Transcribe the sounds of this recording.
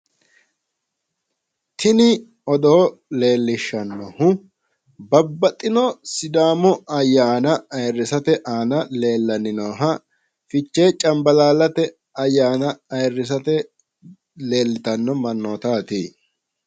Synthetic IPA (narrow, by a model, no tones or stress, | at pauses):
t̪ʰɪnɪ | ɔd̪ɔɔle̞ːlːɪʃːɐnːɔhʊ | bɐbːɐt̪ʼːɪnɔsɪd̪aːmɔʔɐjːaːnɐɐjrːɪsɐt̪ɛʔaːnɐle̞ːlːɐnɪnoːɦɐ | fɪt͡ʃːeːt͡ʃʼɐmbɐlaːlɐt̪ɛ | ɐjːaːnɐɐjrːɪs̬ɐt̪ɛ | le̞ːlːɪt̪ɐnːɔmɐnːoːt̪aːt̪ḭː